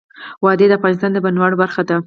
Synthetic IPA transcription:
wɑd̪ed̪əafɣɑnɪs̬t̪ɑnd̪əbanwaɽobaɾxad̪a

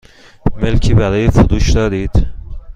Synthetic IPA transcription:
melcʰiːbælɒːjefuɾuːʃd̪ɒːɾiːd̪̥

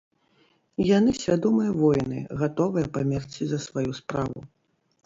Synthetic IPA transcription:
janɨsʲvʲad̪ɔmɨjɐvɔjnɨ̰ɣat̪ɔvɨjɐpamʲɛrt͡sʲizɐsvajuspɾavṵ

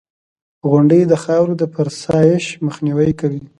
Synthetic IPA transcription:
ɣʊɳɖəjd̪əxɑwɾod̪əpaɾsɑjɪʃməxniwəjkawi

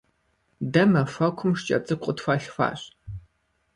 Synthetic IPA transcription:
dɐmɐfʷɐkʷʰʊmʂt͡ʃʼɐ̰t͡sʼɨkʷʼʊtfɐɬfʷa̰ːɕ

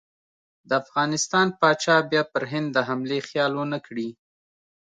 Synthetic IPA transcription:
d̪əafɣɑnɪst̪ɑnpɑt͡ʃɑbjɑpəɾɦɪnd̪ːəɦamlexjɑlonəkɽi

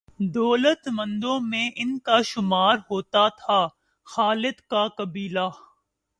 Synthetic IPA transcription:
d̪ɔːlət̪mɐ̃nd̪õmẽʔɪnkaʃʊmaːɾɦoːt̪at̪ʰaː | xaːlɪd̪kakɐbiːlaː

